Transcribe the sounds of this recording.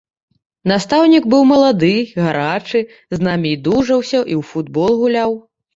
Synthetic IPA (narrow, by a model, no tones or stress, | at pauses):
nast̪awnʲiɡbɨwmɐlˠad̪ɨɣaɾat͡ʂɨ | znamʲiːd̪uʐɐwsʲɐʔiwfud̪̚bɔlˠɣulʲaw